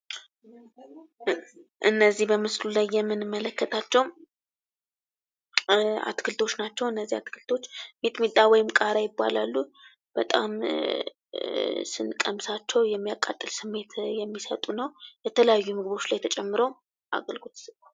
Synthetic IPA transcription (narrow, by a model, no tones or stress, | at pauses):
ʔɨnːəzːihbəmɨslulajːɛmːɨnɨmːələkːət̪ʰat͡ʃːɛw | a̰t̪kʰɨlt̪ʰo̞t͡ʃːnat͡ʃːɛwɨnːəzːihat̪kʰɨlt̪ʰo̞t͡ʃːmet̪met̪ʼːawɔjɪmkʼaɾajɪbːa̰lalːu | b̥ət̪ʼam | sɨnkʼəmsat͡ʃːɛwjɛmːijakʼːa̰t̪ʼːɨlsɨmːe̞t̪jɛmːisə̰t̪ʼunəwjɛt̪ʰələjajːumɨɡɨβo̞t͡ʃːlajt̪ʰət͡ʃʼɛmːɨɾəw | ʔa̰ɡəlɡot̪sɨka